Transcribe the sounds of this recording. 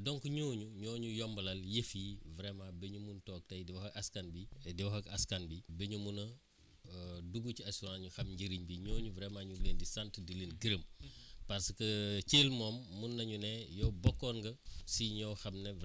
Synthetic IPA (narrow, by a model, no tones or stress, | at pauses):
dɔŋkuɲoːɲuɲɔːɲujɔmbɐlɐljefjivɾɛmabɛɲumuntɔːk̚tɐjdiwɐxɐɐskanbidiwɐxɐkɐskɐnbibɛɲumunɐ | duɡuciɐsuɾãnɲuxɐmɲɟiɾiɲbiɲoːɲuvɾɛmaɲulendisantdilenɡiɾəmpɐɾskət͡ʃeːlmɔːmːunːɐɲunɛjɔwbɔkːɔnɡɐsiɲɔwxɐmnev